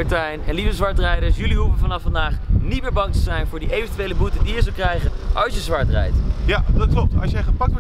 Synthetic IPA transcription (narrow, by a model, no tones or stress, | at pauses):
ətɛjnɛnlivəzʋɑɹtrɛjdəɹsjɵliɦuvənvɑnɑfːɑndaːχnit̚mɪːɹbɑŋtəzɛjnvʊːɹdiejvəntyʋejləbutədijəzəlˠkrɛjχənʔɑlˠsjəzʋɑɹtrɛ̰jtjadɑt̚klɔp̚tɑ̰sjɛjχapɑktʋɔ